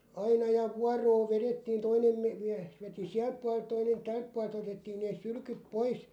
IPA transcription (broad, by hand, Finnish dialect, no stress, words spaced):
ɑinɑ jɑ ʋuɑroː ʋeretːiːn toinem me miæhs̆ ʋeti siælp̆ puɑl̆ĕlt toinen tælp̆ puɑl̆ĕlt otetːiːn neːs̆ sylkyp̆ pois